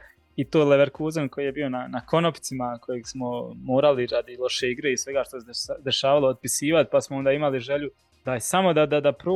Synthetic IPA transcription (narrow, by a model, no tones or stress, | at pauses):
it̪oːleʋeɾkuːzenko̞jijebio̞nanako̞nopit̪simakʰo̞jeːɡsmo̞moːɾaliɾad̪ilˠo̞ʃe̞iɡɾeisʋe̞ɡaːʃt̪osed̪e̞ʃaːʋalˠoːd̪̚pisiːʋat̪̚pasmoo̞nd̪aimaliʒe̞ʎu | d̪̥asamo̞d̪ad̪ad̪apɾo